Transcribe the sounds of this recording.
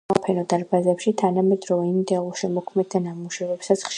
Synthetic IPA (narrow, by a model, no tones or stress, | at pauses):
apʰɛnɔd̪aɾbazɛpʃit̪ʰanamɛd̪ɾɔvɛind̪ɛluʃɛmɔkʰmɛd̪̚d̪anamuʃɛvɛpsat̪sʰχʃ